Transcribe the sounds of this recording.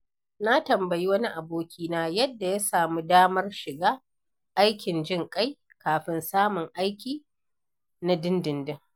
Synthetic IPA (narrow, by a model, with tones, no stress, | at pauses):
na˦tɐ˨mbɐ˨ji˦wɐ˦ni˦ʔa˨boː˦kʲʰiː˦naː˦jɐ˦dːa˨ja˦saː˨mu˦daː˦mɐ˦rʃɪ˨ɡaː˦ | ʔa˦jkʲɪ˨nd͡ʒɪ˦˨ŋkʼa˦j | kaː˨ɸɪ˦nsaː˦mʊ˨ŋʔa˦jkʲiː˨ | na˦dɪ˦ndɪ˨ndɪ˦ŋ